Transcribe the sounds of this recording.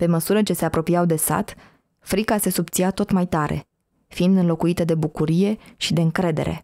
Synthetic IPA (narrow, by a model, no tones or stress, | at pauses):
pe̞məsuɾət͡ʃe̞se̞apɾo̞piawd̪e̞sa̰t̪ | fɾikase̞sup̚t̪siat̪o̞t̪majt̪aɾe̞̰ | fiind̪ɨnlo̞kuit̪əd̪e̞bukuɾije̞ʃid̪e̞ɨŋkɾe̞d̪e̞̰ɾʔe̞̰